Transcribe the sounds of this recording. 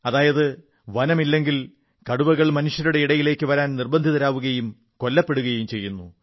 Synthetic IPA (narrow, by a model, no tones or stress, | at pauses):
ɐðaːjɐðɨ | ʋɐnɐmilːe̞ŋɡil | kɐɽubɐɣɐɭmɐnuʂjɐɾuɽe̞iɽɐjile̞ːkːɨʋɐɾaːnnirbɐnd̪ʱiðɐɾaːʋuɣɐjum | ko̞lːɐpːe̞ɽuɣɐjumt͡ɕe̞jːunːu